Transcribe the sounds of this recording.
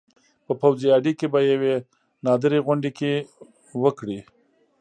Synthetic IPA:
pəpawziɑɖikebajawe | nɑd̪əɾeɣʊɳɖeke | wəkɽi

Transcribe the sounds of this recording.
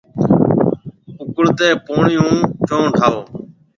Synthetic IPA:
ʊkʊɽt̪eːpoːɳɪjũːt͡ʃõːʈʰaːoː

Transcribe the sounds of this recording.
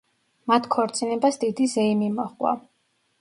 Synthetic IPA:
mat̪ʰkʰɔɾt̪sʼinɛbasd̪id̪izɛimimɔχwa̰

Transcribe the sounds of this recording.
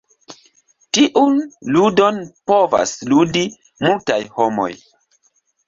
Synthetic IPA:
tiʔunludo̞npo̞va̰sludi | multajhomo̞̰j

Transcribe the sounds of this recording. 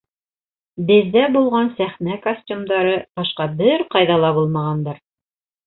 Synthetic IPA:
bɘ̆ðːæbulˠʁɑnsæχnækɐsʲtʲumd̪ɑɾɤbɑʃqɑbɘɾqɑjðɑlˠɑbulˠmɑʁɑnd̪ɑɾ

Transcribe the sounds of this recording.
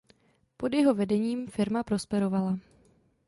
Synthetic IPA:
po̞djɛɦo̞vɛdɛɲiːmfɪɾmapɾo̞spɛɾo̞vala

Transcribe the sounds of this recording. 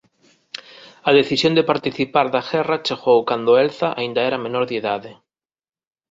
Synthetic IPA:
ɐðeθisjond̪epaɾt̪iθipaɾðaɣɛrat͡ʃeɣowkand̪oelθaʔa̰ind̪aɛɾamenoɾðjeðaðe

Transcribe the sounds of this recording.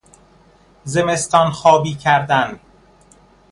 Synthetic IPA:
ze̞me̞st̪ɒːnxɒːbiːcʰæɾd̪æn

